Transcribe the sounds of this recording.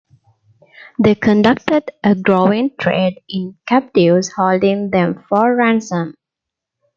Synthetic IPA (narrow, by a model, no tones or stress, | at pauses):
d̪eːkʰə̃nɖʌk̚ʈəɖʔəɡɾoːɪ̃ŋʈʰɹḛːɖɪ̃nkʰæp̚ʈiʋzhoːlɖɪ̃ŋd̪ɛ̃mfɔːæ̃nsə̃m